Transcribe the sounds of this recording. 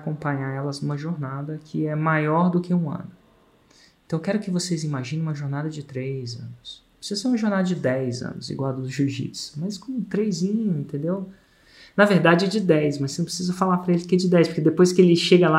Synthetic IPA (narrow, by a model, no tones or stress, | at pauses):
kõpɐ̃ɲaɛlɐznũmɐʒoɾnad̪ɐkʰɪɛmajɔɾd̪ʊkʰɪũɐ̰̃nʊ | ẽt̪ɐ̃w̃kɛɾʊkɪvosezimaʒĩnẽũmɐʒoɾnad̪ɐd͡ʒɪt̪ɾejzɐ̰̃nʊspɾɪsizɐseɾũmɐʒoɾnad̪ɐd͡ʒɪd̪ɛjzɐ̰̃nʊzḭɡwawd̪ʊd̪ʊʒuʒḭ̥smɐjskõũt̪ɾejzĩɲʊẽnt̪ẽnd̪ew | nɐveɾd̪ad͡ʒɪɛd͡ʒɪd̪ɛjsmɐsenɐ̃pɾɪsizɐfalapɾɐelɪkɪɛd͡ʒɪd̪ɛjspoɾked̪epojskɪelɪʃeɡɐla